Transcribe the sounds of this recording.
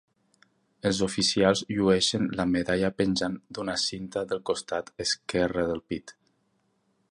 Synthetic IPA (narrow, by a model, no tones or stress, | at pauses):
əlˠzofisialˠzʎuɛʃənlameðaʎapənʲʒand̪unasint̪aðəlˠkost̪at̪əskɛrəðəlˠpit̪